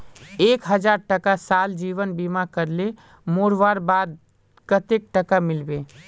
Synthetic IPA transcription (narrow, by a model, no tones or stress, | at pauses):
ekɦəd͡ʒaɾʈəkasald͡ʒiʋənbimakəɾle | moɾʋaɾbad̪̚ | kət̪ek̚ʈəkamilbe